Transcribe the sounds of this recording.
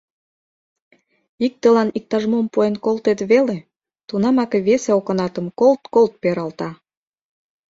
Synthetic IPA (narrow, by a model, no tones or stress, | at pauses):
ik̚t̪əlɑnik̚t̪ɑʒmompuenkolt̪et̪βele | t̪unɑmɑkeβeseokɤ̆nɑt̪ə̆mkolt̪kolt̪̚peɾɑlt̪ɑ